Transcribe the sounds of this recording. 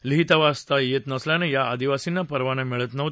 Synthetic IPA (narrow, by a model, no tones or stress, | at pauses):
liɦit̪aʋast̪ajet̪nəsljanejaːd̪iʋasinːapəɾʋañemɛɭət̪nəʋ̪